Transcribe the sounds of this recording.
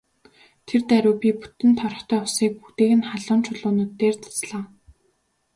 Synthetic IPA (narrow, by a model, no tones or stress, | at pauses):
t̪ʰert̪æɾʲʊ̆ːpʲipu̥t̪ɘ̆nt̪ʰɔrɞ̆χt̪ʰœːʊsiːk̚put̪eːɣɘ̆nχaɮʊːnt͡ɕʰʊɮʊːnʊːt̪ːeːrt͡sʰḁsɮaː